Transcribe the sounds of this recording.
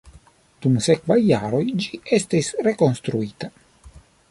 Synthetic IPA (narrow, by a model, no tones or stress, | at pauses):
d̪̥umsekvajːaɾo̞jd͡ʒiest̪isɾeko̞nst̪ɾuiːt̪a